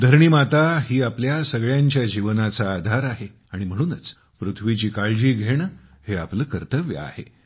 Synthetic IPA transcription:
d̪ʱəɾɳiːmat̪aɦiːapljasəɡɭjaɲt͡ɕjad͡ʑiʋnat͡saːd̪ʱaɾaɦe | aɽ̃im̤əɽ̃uːnət͡s | pɾut̪ʰʋit͡ɕiːkaɭd͡ʑiːɡʱeɳheapləkəɾt̪əʋjə̰a̰hḛ

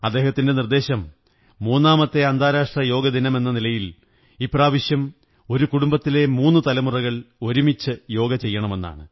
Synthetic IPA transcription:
ɐd̪ːe̞ːhɐt̪ːinde̞nird̪e̞ːɕɐmː | uːnːaːmɐt̪ːe̞ɐnd̪ʱaːɾaːʂʈrɐjo̞ːɡɐd̪inɐme̞nːɐnilɐjil | iːpːraːʋiɕjɐm | o̞ɾukuɽumbɐt̪ːile̞muːnːɨt̪ɐlɐmurɐɣɐɭo̞ɾumit͡ɕːɨjo̞ːɡɐt͡ɕe̞jːɐɳɐme̞nːa̰ːɳɨ

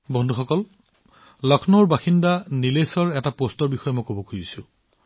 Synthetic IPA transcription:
bɔnduxɔkɔl | lɔkʰnoɹbaxindanilesɔɹɛtapostɔɹbixɔjɛmɔjkobɔkʰuzisʊ

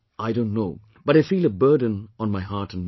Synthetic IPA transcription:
ʔaɪdõʊ̃ntnoʊ | b̥ʌɾaɪfiːlˠəbɜ˞dⁿə̃n̩ə̃nmaɪɦaɹtɨ̃nm

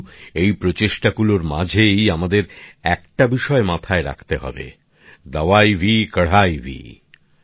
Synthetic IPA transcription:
ejpɾot͡ɕeʃʈaɡuloɾma̰d͡ʑʱejamad̪eɾɛk̚ʈabiʃɔemat̪ʰaeɾa̰kʰt̪eɦɔ̰bḛ | d̪awajbʱikəɽ̤ajbʱḭ

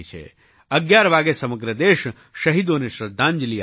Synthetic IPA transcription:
it͡ʃʰḛ | əɡjaɾʋaɡesəməɡɾəd̪eʃ | ʃəɦid̪oneʃɾəd̪ʱːãɲd͡ʒli

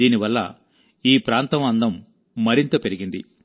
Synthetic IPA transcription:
iːniʋɐlːɐ̰ | iːpɾaːnt̪ɐmɐnd̪ɐmː | ɐɾint̪ɐpe̞ɾiɡind̪i

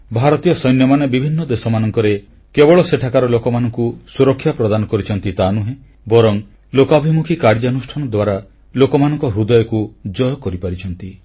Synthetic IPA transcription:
bʱaɾɔt̪ijɔsɔjnjɔmanebibʱinːɔd̪esɔmanɔŋkɔɾe | kebɔɭɔseʈʰakaɾɔlokɔmanɔŋkusuɾɔkʰːjapɾɔd̪anɔkɔɾit͡ʃʰɔnt̪it̪anuɦẽ | bɔɾɔŋ | lokabʱimukʰikaɾd͡ʒanusʈʰanɔd̪waɾa | lokɔmanɔŋkɔɦɾud̪ɔjɔkud͡ʒɔjɔkɔɾipaɾit͡ʃʰɔnt̪i

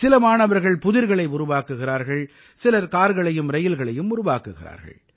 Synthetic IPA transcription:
sɪlɐmaːɳɐʋɐɾɣɐɭpʊðɪɾɣɐɭɐɪʊɾʊʋaːkːɯɣɪɾaːɾɣɐɭ | sɪlɐɾkaːɾɣɐɭɐjɯmɾɐjɪlɣɐɭɐjɯmʊɾʊʋaːkɯɣɪra̰ːɾɣɐ̰ɭ

